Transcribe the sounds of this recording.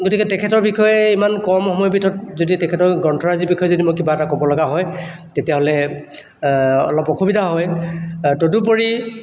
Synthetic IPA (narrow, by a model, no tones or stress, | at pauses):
ɡotikɛtɛkʰɛtɔɹbikɔjɛimankɔɹmɔhɔmɔjɔbitʰɔtzoditɛkʰɛtɔɹɡɔntʰɔɹazibixʰɔjɔzodimokkibaɛtakɔbɔlɔɡaɦɔj | tetiaɦɔlɛ | ɔ̰lɔpɔkʰubidʱaɦɔjtodup̬oɹi